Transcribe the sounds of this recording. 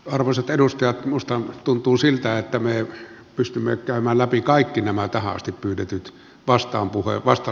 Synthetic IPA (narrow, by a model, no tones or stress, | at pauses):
ɑrʋɑˑiset̪eɾust̪ɑjɑt̪must̪ɑnt̪unt̪uːsilt̪æet̪ːæme | pyst̪ymːekæˑømæːllæpikɑˑikːinæmæt̪æhæɑ̰st̪ippyːtet̪yt̪ | ʋɑst̪ˑɑːmpuhḛʋɑst̪ɑ